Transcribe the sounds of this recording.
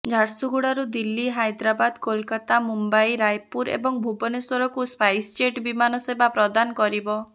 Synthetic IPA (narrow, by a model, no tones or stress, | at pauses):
d͡ʒʱaɾsuɡuɽaɾud̪ilːiɦajd̪ɾabad̪kolkat̪amumbajɾajpuɾḛbɔŋbʱubɔneswɔɾɔkuspajst͡ʃeʈbimanɔsebapɾɔd̪anɔkɔɾibɔ